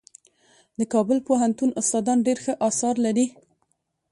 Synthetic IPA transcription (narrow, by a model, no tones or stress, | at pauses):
d̪əkɑbʊlpoɦant̪unʊst̪ɑd̪ɑnɖeɾxəʔɑsɑɾlaɾi